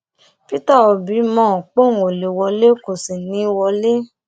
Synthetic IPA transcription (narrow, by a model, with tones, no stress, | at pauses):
pi˦ta˦˨o˨bi˨˦mɔ̃˦˨k͡põ˦˨o˨le˨wɔ˧le˦ko˨si˨nĩ˨˦wɔ˧le˦